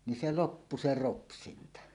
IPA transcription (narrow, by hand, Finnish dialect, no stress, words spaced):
ni se lopːu se ropsintɑ